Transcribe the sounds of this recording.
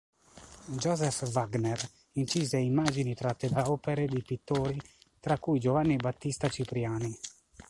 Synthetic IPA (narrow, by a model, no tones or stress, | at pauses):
d͡ʒɔzɛfvaɡnɛr | int͡ʃiːzeimːaːd͡ʒinit̪ɾat̪ːed̪aɔpeɾed̪ipit̪ːoːɾit̪ɾakːujd͡ʒovanːibat̪ːist̪at͡ʃipɾijaːni